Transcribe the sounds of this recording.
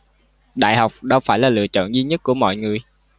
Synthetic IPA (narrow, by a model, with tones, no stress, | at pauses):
ɗa̰ː˧˨jha˨˩wk͡p̚ɗə˧wfaː˧˩jlaː˨˩lɨ̰˧ət͡ɕɔ̰˧˨nzi˧ɲə˦˥t̚ku˧˩əmɔ̰˧˨jŋɨ˨˩əj